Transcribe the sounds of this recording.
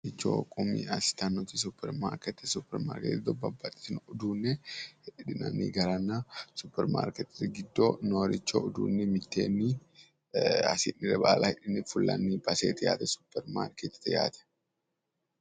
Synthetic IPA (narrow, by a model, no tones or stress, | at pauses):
ɪt͡ʃːo̰ːkʼʊmḭɐsɪ̥t̪anːɔt̪is̬ʊpːɛɾma̰ːɾkɛt̪ːɛsʊpːɛɾma̰ːɾkɛ̰t̪ːɪd̪ɔbɐbːat̪ʼɪ̥snʊd̪uːnːɛhɛᶑɪᶑɪnɐ̰nḭɡɐɾanːasʊpːɛɾma̰ːɾkɛt̪ːɪ̥t̪ɡɪd̪ːonoːɾɪt͡ʃːo̰ːʊd̪ṵːnːɛmɪt̪ːḛːnːi | ɐ̰sɪnːɪɾɛbaːlʔahɛᶑɪnːɪfʊlːɐ̰nːibɐseːt̪ɛja̰ːt̪ɛsʊ̥pːɛɾma̰ːɾkɛt̪ɪ̥t̪ɛja̰ːt̪ɛ̥